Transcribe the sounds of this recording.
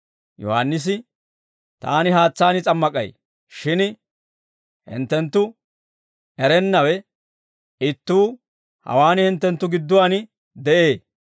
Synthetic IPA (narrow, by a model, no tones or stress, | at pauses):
jɔ̰ha̰nːɪs̬ɪ | t̪a̰ːnɪɦaːt͡sːaːnɪt͡sʼɐmːɐkʼɐ̰j | ʃɪn | hɪ̰nt̪ːɛnt̪ːʊ | ɛɾɛnːɐwɛ | ɪt̪ːuː | hɐ̰waːnɪhɪnt̪ːɛnt̪ːʊɡɪd̪ːʊwaːn | d̪ɛʔeː